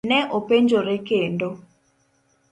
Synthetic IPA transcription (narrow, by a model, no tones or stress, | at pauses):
nɛʔopeɲd͡ʒoɾekendo